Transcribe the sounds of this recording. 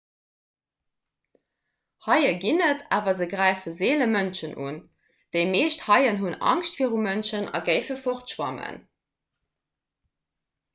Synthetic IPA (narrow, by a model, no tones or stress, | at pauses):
hɑjəɡinətʰaːvɐzəɡʁæɪfəzeːləmənʃənʔuːn | d̥əɪmeːʃthɑɪənɦunɑ̰ŋʃtfiːəʁumənʃənɑ̰ɡəɪfəfoʁtʃwɑ̰mə̰n